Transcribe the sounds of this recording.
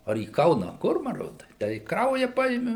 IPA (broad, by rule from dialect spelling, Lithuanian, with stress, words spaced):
ɐr iː ˈkɐʊnɐ ɐ ˈkʊr mɐˈroːt ˈtʲæː ɪ ˈkrɐʊjɛ ˈpɐɪmʲɪ